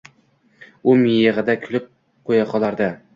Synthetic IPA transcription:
ʊmijeʁɨd̪akʲʰʊlɪp̚ | qʰojɑqʰɒlˠaɾd̪ɪ

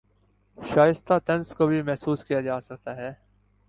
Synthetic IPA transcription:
ʃaːjɪst̪at̪ɐnskobʱimɛɦsuːskijad͡ʒaːsɐk̚t̪aɦɛː

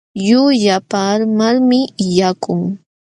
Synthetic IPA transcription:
jʊʎapaːɾmaɾmɪjakʊŋ

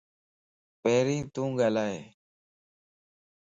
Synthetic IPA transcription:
peːɾĩːt̪ũːɡaːlaːɦḛː

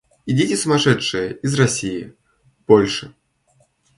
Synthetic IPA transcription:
id͡zʲit͡sʲɛsʊmaʂɛtʂɨjɐizrasʲiji | b̥ɔlʲʂɨ

